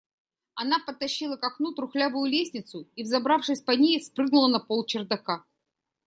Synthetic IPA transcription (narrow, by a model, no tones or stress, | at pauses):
ɐn̪apət̪ːɐɕːilˠəkɐknut̪ɾʊxlʲavʊjʊlʲesʲnʲɪt̪sʊivzɐbɾafʂɨsʲpɐnʲejɪfspɾɨɡnʊlˠənɐpolˠt͡ɕɪrd̪ɐka